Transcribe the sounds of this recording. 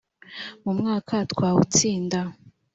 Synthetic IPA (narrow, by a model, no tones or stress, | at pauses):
mumŋaːkʰatkwaːwṵt͡siːnda